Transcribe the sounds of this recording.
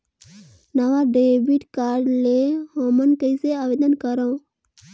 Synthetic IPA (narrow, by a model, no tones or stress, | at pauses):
nɐʋaɖeːbiʈkaːɾɖleɦoːmənkəiseaʋeːd̪ənkəɾõ